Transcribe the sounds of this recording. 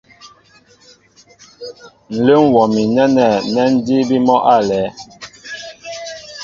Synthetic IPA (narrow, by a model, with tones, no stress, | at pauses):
n̩˨le˦ŋ˨wɔ˨mi˨nɛ˦nɛ˨nɛ˦n̩˦di˦bi˦mɔ˦ʔa˦˨lɛ˨˦